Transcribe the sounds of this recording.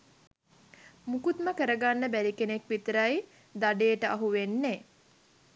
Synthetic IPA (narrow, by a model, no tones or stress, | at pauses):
mukut̪məkəɾəɡanːəbæɾikenekʋit̪əɾaj | d̪aɖejəʈəaɦuʋenːe